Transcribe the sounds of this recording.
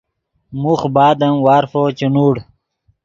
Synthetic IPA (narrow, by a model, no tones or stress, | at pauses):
muxbaːd̪ɐmwaːɾfot͡ɕinuːɽ